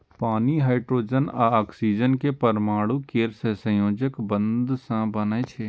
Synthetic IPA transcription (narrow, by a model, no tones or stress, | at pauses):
paːniɦaːɪʈɾoːd͡ʒənaaːksiːd͡ʒənkepəɾmaːɽukeːɾsesɐ̃joːd͡ʒəkbə̃nd̪sãbɐnet͡ʃʰe